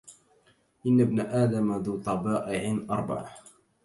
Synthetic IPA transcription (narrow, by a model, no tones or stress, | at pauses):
ʔɪnːabnaʔaːd̪amaðuːt̪ˤɑbɑːʔɪʕɪnʔɑɾˤba̰ʕa